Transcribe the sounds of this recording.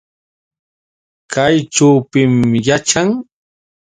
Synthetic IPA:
kajʈ͡ʂawpɪmjat͡ʃaŋ

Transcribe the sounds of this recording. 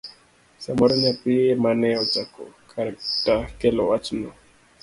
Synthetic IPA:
samɔɾɔɲapiemanɛɔt͡ʃakɔ̰kʰaɾaktakɛlɔat͡ʃnɔ

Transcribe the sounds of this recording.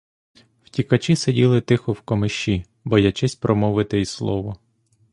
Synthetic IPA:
w̥tʲikɐt͡ʃisedʲilˠɪt̪ɪxɔwkɔmɪʃt͡ʃːi | bɔjɐt͡ʃɛsʲpɾʔɔmɔʋɪt̪ɪislˠɔʋɔ

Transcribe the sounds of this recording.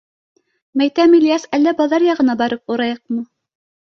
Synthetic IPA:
mæjt̪æmilʲijɑsælːæbɑðɑɾjɑʁɤ̆nɑbɑɾɤp̚uɾɑjɤq̚mɤ

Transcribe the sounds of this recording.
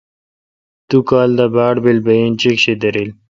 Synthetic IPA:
t̪ukaːld̪abaːɽbilbɐjint͡ɕikɕid̪ɐɾil

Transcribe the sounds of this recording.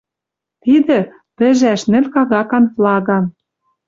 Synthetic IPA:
t̪id̪ɘ̆ | t̪ɘ̆ʒæʃnɘ̆lʲkɑɣɑkɑnvlɑɣɑn

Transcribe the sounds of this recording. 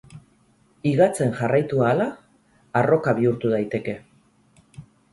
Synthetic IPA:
iɣat͡se̞ŋʝarajt̪uaːlaː | ro̞kaβ̞iuɾt̪uð̞ajt̪e̞ke̞

